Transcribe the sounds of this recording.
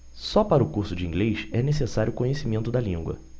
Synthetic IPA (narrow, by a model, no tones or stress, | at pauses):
sɔpaɾɐʊkuɾsʊd͡ʒĩŋɡlejʃɛnesesaɾjʊːkõɲesimẽnt̪ʊd̪ɐlĩŋɡwɐ̰